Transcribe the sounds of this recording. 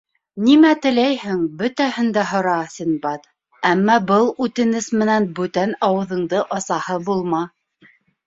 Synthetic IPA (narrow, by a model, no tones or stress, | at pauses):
nimæt̪ɘ̆læjhɘŋbɵt̪æhɘ̆nd̪æɦŏɾɑsʲinbɑt̪ | æmːɑbɤlˠʉt̪ɘ̆nɘsmɘ̆nænbʉt̪ænɑwɤ̆ðɤ̆ɴd̪ɤʔɑsɑhɤbulˠmɑ